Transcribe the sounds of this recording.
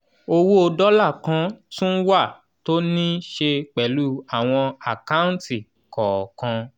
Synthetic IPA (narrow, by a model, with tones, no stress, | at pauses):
o˧wo˦o˧dɔ˦la˦˨kã˨˦tũ˦n̩˦wa˦˨ | to˦nĩ˦ʃe˧k͡pɛ˨˦lu˦a˦˨w̃ɔ̃˧a˨ka˦ũ˦n˦ti˦˨ | kɔ˨kã˧